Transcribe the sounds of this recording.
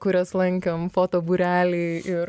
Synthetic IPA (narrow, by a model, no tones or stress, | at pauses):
kʊɾʲɛslˠɐŋʲkʲɛmfoːt̪oːbuɾʲæːlʲɛɪɪɪɾ